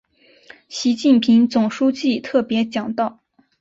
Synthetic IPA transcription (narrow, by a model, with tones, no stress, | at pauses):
ɕi˧˥t͡ɕi˥˩npʰi˧˥ŋt͡sʊ˨˩ŋʂu˥t͡ɕi˥˧t̪ʰɤ˥˩pjɛ˧˥t͡ɕjɑ˨˩ŋt̪ɑ˥˩ʊ